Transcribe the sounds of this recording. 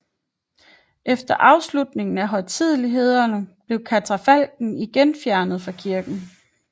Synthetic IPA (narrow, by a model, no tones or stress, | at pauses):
ʔefd̥ɐʔɑ̈ʊslud̥ne̝ŋn̩æɦɒ̽ɪt͡sʰið̰ˠliɦe̝ð̞̰ˠɐnəb̥le̝ʊkʰæt͡sʰæfæl̰ɡ̥n̩iɡ̥enfjæɐnð̞̩ˠfʁɑ̈kʰiɐɡ̥n̩